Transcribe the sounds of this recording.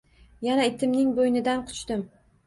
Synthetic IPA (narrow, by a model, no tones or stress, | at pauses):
janaet̪ʰɪmnɪŋbojnɪd̪anqʰʊ̥t͡ʃt̪ɪm